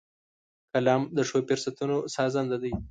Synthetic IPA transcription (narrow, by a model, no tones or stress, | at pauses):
kalɑmd̪əʂopɪɾsat̪unosɑzɑnd̪ad̪əj